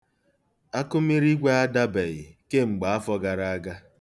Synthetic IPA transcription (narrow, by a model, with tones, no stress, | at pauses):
a˦kʊ˦mi˦ɾi˦ɡʷe˦a˦da˦be˨ɣɪ˨ke˦ŋ͡m̩˨ɡ͡ba˨a˦fɔ˦ɡa˨ɾa˦a˦ɡa˦